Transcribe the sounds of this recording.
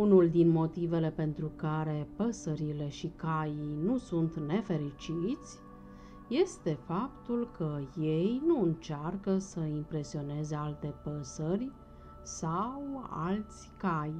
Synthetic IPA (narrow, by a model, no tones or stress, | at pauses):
unuld̪inmo̞t̪ive̞le̞pe̞nt̪ɾukaɾe̞pəsəɾile̞ʃikajijnusunt̪ne̞fe̞ɾit͡ʃit̪sʲ | je̞st̪e̞fapt̪ulkʰəje̞jnuɨnt͡ʃarkəsəimpɾe̞sio̞ne̞ze̞alt̪e̞pəsərʲ | sawa̰lt̪sʲkaj